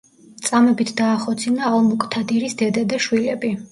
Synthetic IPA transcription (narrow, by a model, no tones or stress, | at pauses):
t̪sʼamɛbit̪ʰd̪aːχɔt̪sʰinaːlˠmukʼt̪ʰad̪iɾisd̪ɛd̪ad̪aʃwilɛbi